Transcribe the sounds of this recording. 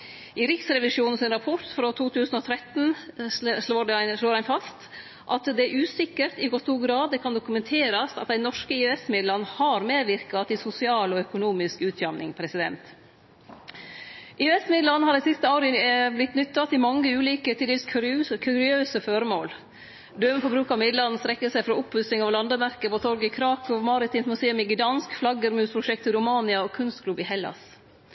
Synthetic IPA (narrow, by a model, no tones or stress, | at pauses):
ʔɪɾɪksɾɛʋɪʂjuːn̩sɪnɾɑpʰɔt̪fɾot̪ʰuːt̪ʰʉːsn̩ɔt̪ʰɾɛt̪n̩ | ʂloːʂloːɾæɪnfɑst̪ | ʔɑt̪d̪ɛæʔʉːsɪkːəɾt̪ɪɡɔst̪uːɡɾɑːd̪ɛkʰɑnd̪ʊkʉmɛnt̪ʰeːɾɑst̪ɑt̪̚d̪æɪnɔʂkəɪːɛsmɪd̪lɑnːhɑɾmeːd̪ʋɪɾkɑt̪ɪsʊsɪɑːlɔœkʊnuːmɪskʉːt̪ʰjɑmnɪ̰ŋpʰɾɛsɪd̪ɛ̰nt̪ | ʔɪːɛsmɪd̪lɑnːhɑɖæɪsɪst̪əoːɾɪblɪt̪nʏt̪ːɑt̪ʰɪmɑŋːəʉːliːkət̪ʰiːd̪ɪskʰɾkʰʉɾɪøːsəføɾəmoːl | d̪øːməfɔɾbɾʉːkɑmɪd̪lɑnn̩st̪ɾɛkːəsæɪfɾɔʊphʉsɪŋɑʋlɑnd̪əmæɾkəpɔt̪ʰɔɾɡəkʰɾɑːkʰɔʋmɑɾɪt̪ʰɪːmsmʉseːʉmɪɡɪd̪ɑnskflɑɡəɾmʉːspʰɾʊʃɛk̚t̪ɪɾʊmɑːnɪɑɔkʰʉnst̪kʰlʉbɪhɛlːɑ̰s